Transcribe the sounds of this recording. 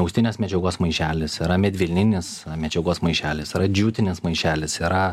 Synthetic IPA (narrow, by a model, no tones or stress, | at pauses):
ʊksʲt̪ʲɪnʲeːsmʲɛd͡ʒʲɛɡoːsmɐɪʃʲæːlʲɪsiɾɐmʲɛd̪ʲʋʲɪlʲnʲɪnʲɪsmʲɛd͡ʒʲɛɡoːsmɐɪʃʲæːlʲɪsiːɾɐd͡ʒʲuːt̪ʲɪnʲɪsmɐɪʃʲæːlʲɪsiːɾɐ